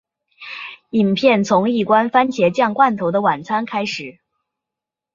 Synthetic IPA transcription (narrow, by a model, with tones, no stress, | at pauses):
i˨˩npʰjɛ˥˩nt͡sʰʊ˧˥ŋi˥˩kwa˥nfa˥nt͡ɕʰjɛ˧˥t͡ɕjɑ˥˧ŋkwa˥˩nt̪ʰo˧˥ʊd̪ə˧wa˨˩nt͡sʰa˥nkʰa˥ɪʂɻ̩˨˩˦